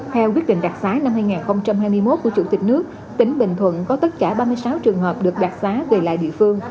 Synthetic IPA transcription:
t̪ʰɛ˧wkwət̚ɗḭ˧˨ŋ̟ɗaː˨˩k̚saː˨˦na˧mhaː˧jŋaː˨˩nxə˧wŋ͡mt͡ɕa˧mhaː˧jmɨ˧əjmo˦˥t̚ku˧˩ət͡ɕu˧˩t̪ï˨˩k̟̚nɨ˦˥ək̚ | t̪ï˨˦ŋ̟ɓï˧˨ŋ̟t̪ʰwə̰˧˨nkɔ˨˦t̪ə˦˥t̚kaː˧˩ɓaː˧mɨ˧əjsaː˨˦wt͡ɕɨ˨˩əŋɦəː˨˩p̚ɗɨ˨˩ək̚ɗaː˨˩k̚saː˨˦ve˨˩la̰ː˧˨jɗḭ˧˨fɨ˧əŋ

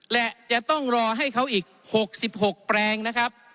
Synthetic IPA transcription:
lɛ˧˩ʔt͡ɕa˨˩ʔt̪ɔ˥˩ŋɾɔː˧ɦa˥˩jkʰa˦˥wʔiː˨˩k̚ho˨˩k̚si˨˩p̚ho˨˩k̚pɾɛː˧ŋna˦˥kʰa˦˥p̚

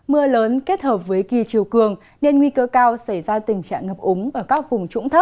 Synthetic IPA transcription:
mɨ˧ələː˨˦nke˦˥t̚həː˨˩p̚vəː˨˦jki˨˩t͡ɕi˨˩əwkɨ˨˩əŋ | ne˧nŋwi˧kəː˧kaː˧wsa˧˩jzaː˧t̪ï˨˩ŋt͡ɕa̰ː˧˨ŋŋə˨˩p̚ʔʊ˨˦ŋ͡mʔəː˧˩kaː˦˥k̚vʊ˨˩ŋ͡mt͡ɕʊ̰˧˥ŋ͡mt̪ʰə˦˥p̚

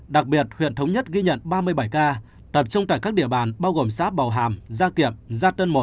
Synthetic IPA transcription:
ɗa˨˩k̚ɓi˨˩ət̚hwḭ˧˨ənt̪ʰə˨˦wŋ͡mɲə˦˥t̚ɣi˧ɲə̰˧˨nɓaː˧mɨ˧əjɓa˧˩jkaː˧ | t̪ə˨˩p̚t͡ɕʊ˧ŋ͡mt̪a̰ː˧˨kaː˦˥k̚ɗḭ˧əɓaː˧˨˩nɓaː˧wɣo˨˩msaː˦˥p̚ɓa˨˩wɦa̰ː˧˩mzaː˧ki˨˧˩əmzaː˧t̪əː˧nmo˨˩t̚

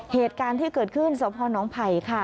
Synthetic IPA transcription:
heː˨˩t̪̚kaː˧nt̪ʰiː˥˩kɤː˨˩t̪̚kʰɯ˥˩nsoː˨˦pʰɔː˧nɔː˩˦˥ŋpʰa˧˩jkʰa˥˩

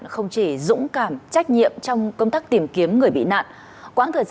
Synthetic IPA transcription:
nxə˧wŋ͡mt͡ɕi˧˩zʊ̰˧˥ŋ͡mkaː˧˩mt͡ɕa˦˥k̟̚ɲḭ˧˨əmt͡ɕɔ˧wŋ͡mkə˧wŋ͡mt̪aː˦˥k̚t̪i˨˩mki˨˦əmŋɨ˨˩əjɓḭ˧˨na̰ː˧˨n | kwaː˨˦nt̪ʰəː˨˩jz

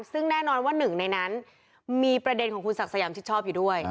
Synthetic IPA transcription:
nsɯ˥˩ŋnɛː˥˩nɔː˧nwaː˥˩nɯ˨˩ŋna˧jna˦˥n | miː˧pɾa˧de˧nkʰɔː˩˦ŋkʰu˧nsa˨˩k̚sa˧jaː˩˦mt͡ɕʰi˦˥˩t͡ɕʰɔː˥˩p̚juː˨˩du˥˩əj

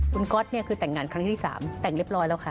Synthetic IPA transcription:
ʔu˧nkɔ˦˥t̪̚ni˥˩ɐkʰɯː˧t̪ɛ˨˩ŋːaː˧nkʰɾa˦˥ŋt̪ːʰi˥˩sa̰ː˩˦mt̪ɛ˨˩ŋli˦˥əp̚ɾɔː˦˥jlɛː˦˥˩wkʰa˥˩

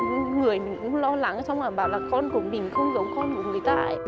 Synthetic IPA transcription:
ŋɨ˨˩əjmï˨˩ŋ̟kʊ̰˧˥ŋ͡mlɔ˧la˨˦ŋ˨˩sɔ˧wŋ͡mlaː˨˩ɓaː˨˩laː˨˩kɔ˧nku˧˩əmï˨˩ŋ̟xə˧wŋ͡mzə˨˦wkɔ˧nku˨˩ŋɨ˨˩əjt̪aː˧ʔə̰˨

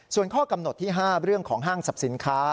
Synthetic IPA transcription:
su˨˩ənkʰɔː˥˩ka˧mno˨˩t̪ʰːiː˥˩ɦaː˥˩ɾɯ˥˩əŋkʰɔː˩˦ŋɦaː˥˩ŋsa˨˩p̚si˩˦nkʰaː˦˥

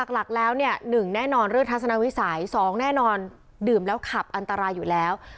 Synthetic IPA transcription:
a˨˩k̚la˨˩k̚lɛː˦˥wni˥˩ənɯ˨˩ŋnɛː˥˩nɔː˧nɾɯ˥˩əŋt̪ʰa˦˥t̪̚sa˧na˦˥wi˦˥sa˩˦jsɔː˩˦ŋnɛː˥˩nɔː˧n | dɯː˨˩mlɛː˦˥wkʰa˨˩p̚ʔa˧nt̪a˧ɾaː˧jːuː˨˩lɛː˦˥w

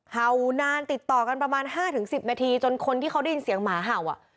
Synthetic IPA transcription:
ha˨˩wnaː˧nt̪i˨˩t̪ːɔː˨˩ka˧npɾa˧maː˧nɦaː˥˩t̪ʰɯ˨˩˦ŋsi˨˩p̚naː˧t̪ʰiː˧t͡ɕo˧nkʰo˧nt̪ʰi˥˩ka˦˥wda˥˩ji˧nsi˩˦əŋmaː˩˦ɦa˨˩wʔa˨˩

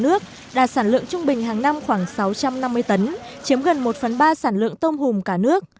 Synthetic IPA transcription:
nɨ˦˥ək̚ | ɗa̰ː˧˩saː˧˩nlɨ̰˧˨əŋt͡ɕʊ˧ŋ͡mɓï˨˩ŋ̟ɦaː˨˩ŋna˧mxwaː˧˩ŋsa˨˦wt͡ɕa˧mna˧mːɨ˧əjt̪ə˨˦n | t͡ɕi˨˦əmɣə˨˩nmo˨˩t̚fə˨˩nɓaː˧saː˧˩nlɨ̰˧˨əŋt̪ə˧wŋ͡mhʊ˨˩ŋ͡mkaː˧˩nɨ˦˥ək̚

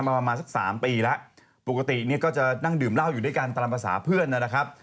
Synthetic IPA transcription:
a˧mːaː˧pɾa˧maː˧nsa˩˦k̚saː˩˦mpiː˧lɛ˦˥ʔ | po˨˩ka˧t̪i˨˩ni˥˩ɐkɔː˥˩t͡ɕa˨˩na˥˩ŋdɯː˨˩mla˥˩wjuː˨˩daː˥˩jka˧nt̪a˧la˧pʰa˧sa̰ː˩˦pʰɯ˥˩ənːa˦˥˩na˦˥kʰɾa˦˥p̚

